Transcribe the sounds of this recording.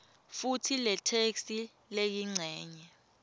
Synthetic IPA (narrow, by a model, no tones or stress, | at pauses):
futʰilɛtʰeksi | lejiŋ͡ǀʱɛːɲɛ